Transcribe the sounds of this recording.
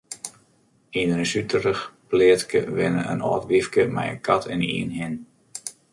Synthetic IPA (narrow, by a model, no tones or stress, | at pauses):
inənəsytərəxplɪətkəʋɪnə̰ə̰nɔ̰ːtʋifkəmɛ̰jə̰kʰatʰɛnḭənɦɪn